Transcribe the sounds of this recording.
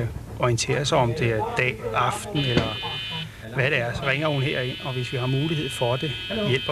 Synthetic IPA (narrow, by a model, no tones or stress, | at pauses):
æ | ɒint͡sʰe̝̰ːɐsɑ̈ɪɒ̽md̥e̝æɐd̥ɛ̰ːɑ̈fd̥n̩elɐ | ʋæɾ̥eæɐsɒ̽ʁeŋ̰ɐhunɦeɐe̝n̰ɒ̽ʋe̝sʋiɦɑ̈muːliɦe̝ð̞̰ˠfɒ̽d̥e̝jel̰b̥ɐ